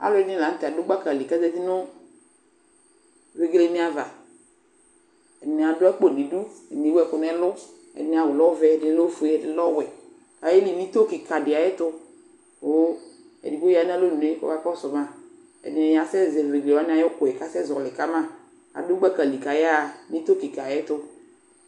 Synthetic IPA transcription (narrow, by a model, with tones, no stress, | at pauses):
a̰˨˦lʊ˦ɛ˦nɪ̃˦˨la˨n̩˦t̪i˨a˨dʊ˦ɡ͡ba˦ka˨li˨ka˦zɛ˦t̪i˦nʊ˦ | ve˨ɡle˨nĩ˦a˨va˨ | ɛ˨nẽ˨a˨dʊ˦a˦k͡po˨ni˨ɖu˦e˨nĩ˨wɛ˦kʊ˨nɛ̃˦lʊ˦ | ɛ̰˨˦nɪ̃˨˦a˨wʊ˨lɔ˦vɛ˦˨nɪ˨˦lo˦fu˨ɛ˨dɪ˨lɔ˦˨wɛ˨ | a˨je˦li˨nĩ˦t̪o˦ki˨ka˨dɪ˨a˨jɛ˦t̪ʊ˦ | o˦ | ɛ̰˨di˨ɡ͡bo˦ja˨˦n˦ɛ̃˦lo˦nu˨e˦kɔ̰˦a˦kɔ˦sʊ˨mã˦˨ | ɛ̰˨nɪ̃˨ja˨sɛ˦zɛ˨ve˨ɡle˨wa˦nɪ̃˦a˨˦jo˦kʊ˨ɛ˨ka˦sɛ˦zɔ˨lɪ˨ka˦mã˦ | a̰˨dʊ˦ɡ͡bɛ˦ka˨li˨ka˨ja˦˨nĩ˦t̪o˦ki˨ka˨jɛ˦t̪ʊ˦